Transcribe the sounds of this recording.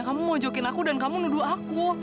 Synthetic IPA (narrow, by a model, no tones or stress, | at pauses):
ŋkamumɔd͡ʒɔkɪnakudankamunuduaaku